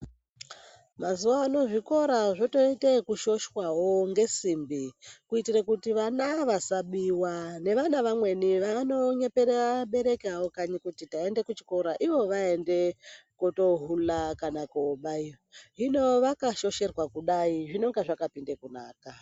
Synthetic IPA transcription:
mazuwaːno̞ʐiko̞ɾaʐo̞to̞itekuʃo̞ʃwawoŋɡe̞simbikuitirekutiʋanaʋasaɓiwane̞ʋanaʋamwe̞niʋano̞ɲe̞peɾeaɓe̞ɾe̞kawokaɲikutitae̞nde̞kut͡ʃi̥ko̞ɾaʔiʋo̞ʋae̞nde̞koto̞ɦulakanakoɓaioɦino̞ʋakaʃo̞ʃe̞rwakuɗaiʐino̞ŋɡaʐakapindekunaːka

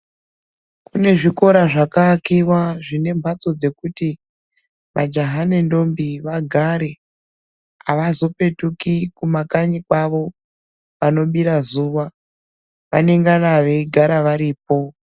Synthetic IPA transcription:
kune̞ʐiko̞ɾaʐakakiwaʐine̞mbʱat͡so̞d͡ze̞kuti | ʋʔad͡ʒaɦanendo̞mbiʋaɡʱaɾe̞ | aʋazo̞pe̞tukikumakaɲikwaʋo̞ | ʋano̞ɓiɾazuʋa | ʋane̞ŋɡanaʋe̞iɡʱaɾaʋaɾiːp̚o̞

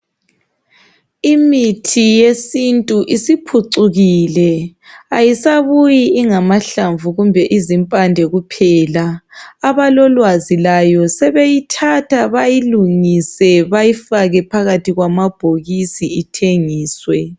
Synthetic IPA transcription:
imitʰijesintʼuʔisipʰuǀuɣilɛajisaβujiiŋamaɬaɱvuɣumbʱɛʔizimpʼandʱɛɣupʰɛːlaːβalɔlwazilajɔsɛβejitʰatʰaβajiluŋisɛβajifaɣɛpʰaɣatʰiɣwamab̥ʱoɣisiitʰeŋiːswɛ

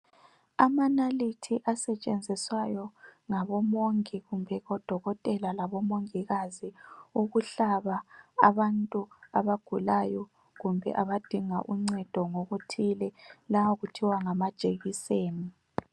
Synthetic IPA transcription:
amanalitʰiʔasɛt͡ʃʼend͡zʱiswajɔŋaβɔmoŋiɣumbʱɛɣɔd̥ʱɔɣɔtʼɛlalaβɔmoŋiɣaziuɣuɬaβaːβantʼuaβaɡ̥ʱulajɔ | ɣumbʱɛ̰ʔaβad̥ʱiŋa̰ʔuŋ͡ǀɛd̥ʱɔŋoɣutʰilɛlawoɣutʰiwaŋamad̥ʒ̥ʱeɣiseːni

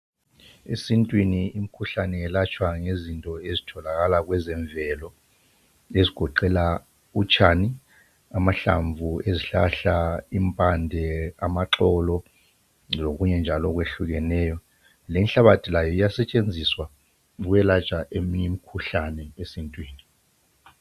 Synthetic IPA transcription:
ḛsintʼwiniːm̩kʰuɬanɛɛlat͡ʃʼwaŋezintʼɔezitʰɔlaɣalaɣwɛzɛɱvʱɛlɔ | eziɡ̥ʱɔǃɛla | ut͡ʃʰʼani | amaɬa̰ɱvueziɬaɬaimpʼandʱɛamaǁɔlɔ | loɣuɲɛnd͡ʒʱalɔɣweɬuɣɛnɛːjɔ | lenɬaβatʰilajɔijasɛt͡ʃʼend͡zʱiswa | ɣwɛlat͡ʃʼaʔemiɲɛmikʰuɬanɛesintʼwiːni

